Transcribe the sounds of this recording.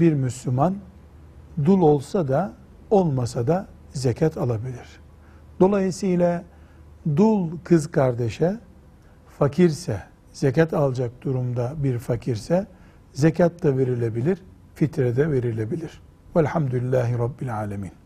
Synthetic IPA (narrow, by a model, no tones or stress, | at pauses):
biɾmyslʲyman | d̪ulˠo̞lˠsad̪a | o̞lˠmasad̪a | zecʰat̪ʰalˠabilʲiɾ̥ | d̪̥o̞lˠajɯsɯjlʲˠa | d̪ulˠkʰɯzkʰaɾd̪eʃɛ | facʰiɾsɛ | z̥ecat̪ʰalˠd͡ʒak̚d̪uɾumd̪abiɾfacʰiɾsɛ | zecʰat̪lave̞ɾilʲebilʲiɾ | fit̪ʰɾɛd̪ɛve̞ɾilʲebilʲiɾ̥ | vælʲhamd̪ulilʲːaːɦiɾɑbːilʲaːlʲamiːn